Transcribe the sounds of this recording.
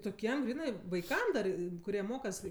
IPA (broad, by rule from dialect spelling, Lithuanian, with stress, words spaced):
toːˈkʲiɛm ˈɡrʲiːnɜ ʋɐɪˈkɐm dɐr kʊˈrʲiɛ ˈmoːkɐs